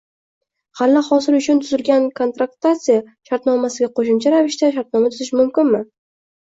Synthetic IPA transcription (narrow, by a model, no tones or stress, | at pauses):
halːaχɒsɪɾʊt͡ʃʰʊnt̪ʰʊzɪlɡʲankʰo̞nt̪ɾak̚t̪at̪sɪja | ʃaɾt̪nɒmasɪɡʲaqʰoʃʊmt͡ʃʰaɾavɪʃt̪aʃ̬aɾt̪nɒmat̪ʰʊzɪʃmʊmkʲɪnmɪ